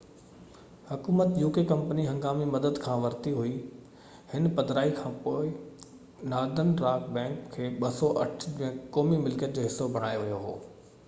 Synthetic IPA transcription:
hʊkuːmət̪juːkekɐ̃mpəniɦɐ̃ŋɡaːmimɐd̪əd̪kʰãːʋɐɾt̪iɦʊi | hɪnpɐd̪ʱɾaːikʰãːpoːɪ | naːd̪ənɾaːkbɛ̃ːkkʰːeːɓɐsɔʔɐʈʰd͡ʑə̃kɔːmimɪlkəʈd͡ʑoːɦɪsːobʱɐɽ̃aːjoʋijoɦo̰ː

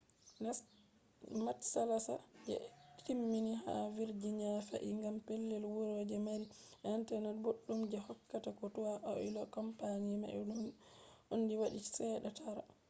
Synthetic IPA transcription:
n | matsalasa̰d͡ʒɛ̰timːiniɦa̰wiɾd͡ʒiɲafa̰ʔiŋɡampelːɛlwuɾod͡ʒɛmaɾi | ʔɛnantɛnanboɗːumd͡ʒɛhɔkːatakɔtuwaʔɔ̰ʔilɔkɔmpaɲima̰ʔɛɗunʔonːdiwaɗit͡ʃi̥sɛɗatʰaɾa̰

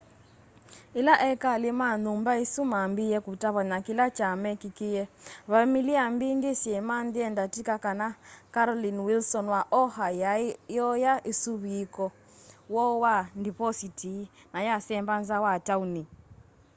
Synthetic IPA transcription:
ilaʔɛkalimanumbaisumambijɛkutaβaɲakilat͡ʃamɛkikijɛβamiliambinɡisɛmandiɛndatikakanakaɾɔlinwilsɔnwaʔɔhajajɔjaʔisuβiikɔ | wɔwandipɔsitinajasɛmbanzawatauni

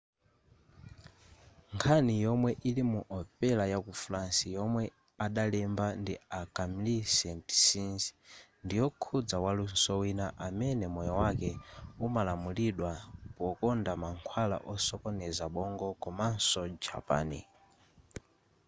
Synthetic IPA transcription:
ŋkʰanijɔmwɛʔilimuʔɔpɛlajakuflansijɔmwɛ | aɗalɛmbandiakamilisɛti̥sinzi̥ndijɔkʰud͡zawalun̩sɔwinaʔamɛnɛmɔjɔwakɛumalamuliɗwapɔkɔndamaŋkʰwala̰ʔɔsɔkɔnɛzaɓɔŋɡɔkɔman̩sɔd͡ʒa̰pa̰ːni

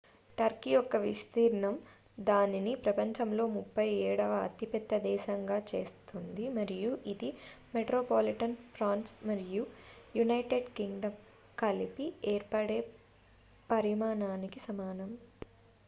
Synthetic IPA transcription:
ʈɐɾkiɔkːɐʋist̪iːɾɐɳɐm | d̪aːninipɾɐpɐɲt͡ʃɐmlo̞ːmupːɐjɛːɽɐʋɐɐ̰t̪ipɛt̪ːɐd̪ɛːʃɐŋɡaːt͡ʃe̞ːst̪und̪imɐɾijuʔid̪i | meʈɾoːpoːliʈɐnpɾaːnsmɐɾijujunɐjʈeɖkiŋɡɖɐm | kɐlipieːɾpɐɽe̞ː | pɐɾimaːnaːnikisɐmaːnɐm

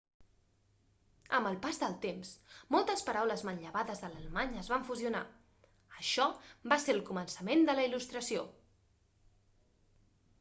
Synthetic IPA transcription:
ə̰mbəlˠpazðəlˠt̪emsmɔlˠt̪əspəɾawləzmənʎəβaðəzðələləmaɲəzβaɱfuziuna | əʃɔbaseɾlˠkumənsəmend̪ələilust̪ɾəsio

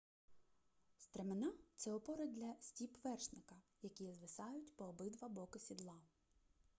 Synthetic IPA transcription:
st̪ɾemenɑt̪sɛɔpɔɾɐd̪lʲɐsʲtʲipʋɛrʃnɪkɐjɐkʲijɛzʋɪsɑjʊtʲpɔːbɪd̪ʋɐbɔkʊsʲid̪lˠɑ

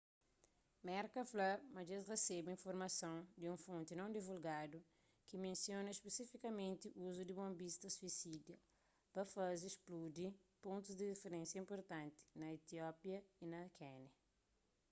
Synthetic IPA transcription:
mɛɾkɐflɐmɐd͡ʒesresebĩnfoɾmɐsõw̃d̪iũfõnt̪inɐ̃w̃d̪ivulɡad̪u | kimẽnsjonɐespesifikɐmẽnt̪iʔuzud̪ibõmbist̪ɐsuisidjɐ | pɐfazisplud̪ipõnt̪uzd̪idifeɾẽnsjɐĩmpoɾt̪ãnt̪i̥nɐet̪iɔpjɐinɐkʰɛnɐ

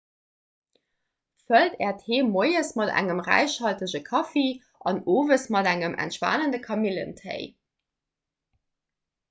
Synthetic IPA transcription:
fəltɛːɐtheːmoɪəsmɑdæ̰ŋəmʁæ̰ɪɕhɑltəʑəkʰɑfeː | ʔɑnoːvəsmɑdæŋəmʔæ̰ntʃva̰ːnəndəkʰɑmilə̰ntʰə̰ɪ

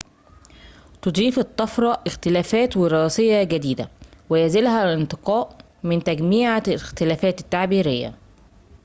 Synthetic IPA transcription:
t̪od̪ˤiːfɪt̪ˤːɑfɾˤɑʔɪxt̪ɪlæːfæːt̪wɪɾɑːsejːɑɡæd̪iːd̪æ̰wɪjæzɪlhælɪnt̪ˤɪqɑːʔ | mɪnt̪æɡmiːʕalɪxt̪ɪlæːfæːt̪ɪ̥t̪ːaʕbiːɾɪjːæ̰

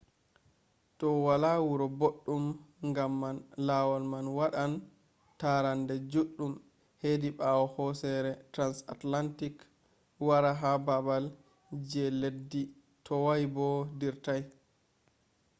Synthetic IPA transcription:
tɔwalawuɾɔboɗːumŋɡamːanlawɔlmanwaɗan | taɾandɛd͡ʒuɗːum | hediɓawɔhɔsɛɾɛtɾansa̰tlantik | waɾaɦababal | d͡ʒɛledːi | tʰɔwajbɔdiɾtaj

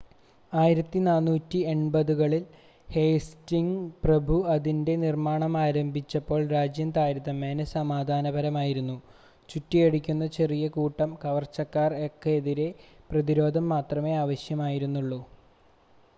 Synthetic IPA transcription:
aːjiɾɐt̪ːinaːnːuːtːie̞ɳbɐðuɣɐɭil | heːstiŋɡprɐbʱuɐðinde̞nirmaːɳɐmaːɾɐmbʱit͡ɕːɐpːo̞ːɭɾaːd͡ʑjɐnd̪aːjɾɐðɐmːeːnɐsɐmaːd̪ʱaːnɐbɐɾɐmaːjiɾunːu | t͡ɕutːijeɽikʲːunːɐt͡ɕe̞rijɐkuːʈːɐmkɐʋɐrt͡ɕːɐkːaːrekːeːðiɾe̞prɐðiɾo̞ːd̪ʱɐmːaːt̪rɐme̞aːʋɐɕjɐmaːjiɾunːuɭːu

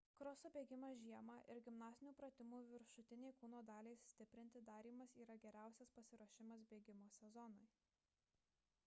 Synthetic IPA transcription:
kɾɔsoːbʲeːɡʲɪmɑːʒʲiɛmɑʔɪɾɡʲɪmnɑːsʲɪnʲuːpɾɐt̪ʲɪmuːʋʲɪɾʃʊt̪ʲɪnʲeɪkuːnoːd̪ɑːlʲeɪsʲt̪ʲɪpʲɾʲɪnʲt̪ʲɪd̪ɑːɾʲiːmɐsiːɾɐɡʲɛɾʲæˑʊsʲɛspɐsʲɪɾoɔʃʲɪmɐsbʲeːɡʲɪmoːsʲɛzɔnɔɪ

